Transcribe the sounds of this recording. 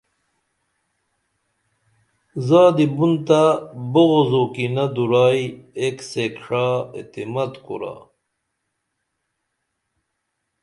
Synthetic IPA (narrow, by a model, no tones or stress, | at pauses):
zaːd̪ibunt̪aboɣozoːkinɐd̪uɾaːjeksekʂaːḭt̪imɐt̪kṵɾa̰